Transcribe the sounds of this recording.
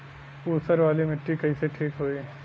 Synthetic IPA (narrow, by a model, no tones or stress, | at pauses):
uːsəɾʋaːlimɪʈːikɐiseʈʰiːkɦoːiː